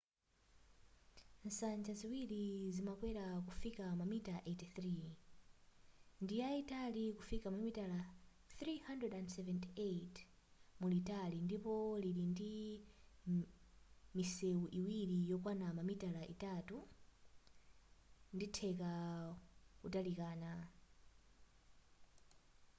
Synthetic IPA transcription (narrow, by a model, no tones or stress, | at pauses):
n̩sand͡ʒaziwiɾizimakwɛɾakufikamamitaʔetiθri | ndijaitalikufikamamitala | θɾihandɹɛdandsɛvɛntiet | mulitalindipɔliɾindi | misɛuʔiwiɾijɔkwanamamitalaʔḭtatu | nditʰɛka | kutalikaːna